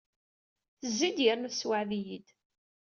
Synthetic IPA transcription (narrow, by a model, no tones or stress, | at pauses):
θəzːid̪jəɾnuswaʕðijid̪